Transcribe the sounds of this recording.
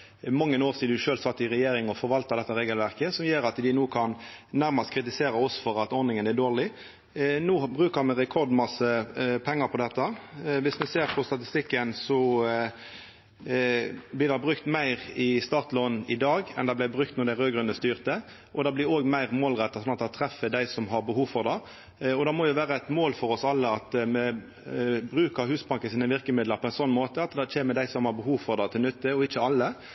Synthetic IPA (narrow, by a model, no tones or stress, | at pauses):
mɑŋːənoːɾsiːd̪d̪ʉʃøːlsɑt̪ːɪʁɛjeːɾɪŋɔfɔɾʋɑlt̪ɑd̪ɛt̪ːɑʁeːɡəlʋæʁkəsɔmjøːɾɑt̪d̪ɪnuːkʰɑnnæɾmɑst̪kʰɾɪt̪̬ɪseːɾɑɔsfɔɾɑt̪ɔɾnɪŋənæd̪oːʁɭɪ | nuːbʁʉːkəʁmɛʁɛkʰɔʁd̪mɑsːəpʰɛŋːɑpʰɔd̪ɛt̪ːɑʋɪsmɛseːɾpʰɔst̪ɑt̪ɪst̪ɪkːənsɔ | blɪːd̪ɑbʁʉkt̪mæɪʁɪst̪ɑːʁt̪lɔnɪd̪ɑːɡɛ̰nd̪ɑb̪læɪbʁʉk̚t̪nɔɾd̪æɪʁøːɡʁʉnəst̪yːʁt̪ə | ʔɔd̪ɑːblɪɾoːɡmæɪʁmoːlʁɛt̪ːɑsɔnɑt̪d̪ɑt̪ʰʁɛfːəd̪æɪsɔmɦɑʁbəhuːʋfɔʁd̪ɑ | ɔd̪ɑːmɔjʊʋæːɾəɛɪt̪moːlfɔʁɔsɑlːəɑt̪mɛ | bʁʉːkəɦʉːsbɑŋkənsiːnəʋɪʁkəmɪd̪ləɾpʰɔɛɪnsɔnːmoːt̪əɑt̪d̪ɑt͡ʃʰeːməd̪æɪsɔmhɑʁbəɦuːʋfɔʁd̪ɑt̪ʰɪlnʏt̪ːəɔɪçəɑlːə